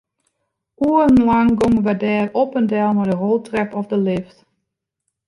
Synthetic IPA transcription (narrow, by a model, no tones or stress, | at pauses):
uənlaŋɡoməʋədɛːropəndɛlˠmɔdəɦolˠtrɛpɔfdəlɪft